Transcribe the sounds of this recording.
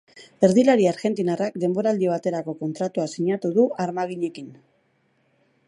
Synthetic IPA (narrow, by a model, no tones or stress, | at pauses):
e̞ɾðilaɾiaɾɣe̞nt̪inarakd̪e̞mbo̞ɾaːld̪iβ̞at̪e̞ɾako̞ko̞nt̪ɾat̪uasiɲat̪uðuaɾmaɣ̞iɲe̞kin